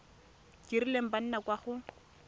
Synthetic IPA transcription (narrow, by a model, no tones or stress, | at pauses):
kʼirilem̩ban̩nakwaχʊ